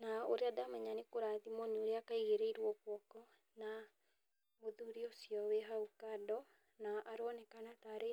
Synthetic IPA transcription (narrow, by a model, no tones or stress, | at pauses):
naoɾeadamɛɲanekoɾatimɔnioɾeakaiɣeɾeiɾwɔkwɔkɔ | na | moðuɾiosijɔweɦaukadɔ | naʔaɾoɔnɛkanataɾe